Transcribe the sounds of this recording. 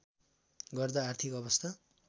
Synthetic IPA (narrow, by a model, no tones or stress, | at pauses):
ɡʌrd̪ʌːrt̪ʰikʌbʌst̪ʰa